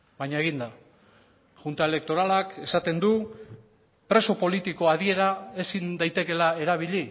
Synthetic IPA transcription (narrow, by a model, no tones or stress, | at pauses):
bajɲae̞ɣind̪a | ʝunt̪ae̞le̞k̚t̪o̞ɾalake̞sat̪e̞nd̪u | pɾe̞so̞po̞lit̪iko̞að̞ie̞ɾae̞sind̪ajt̪e̞ke̞lae̞ɾaβ̞iʎi